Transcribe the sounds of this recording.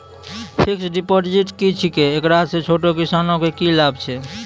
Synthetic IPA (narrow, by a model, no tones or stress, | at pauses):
pʰiksɖipoʈd͡ʒiʈkit͡ʃʰikeːkɾasẽt͡ʃʰoʈokisanokekilabt͡ʃʰɛ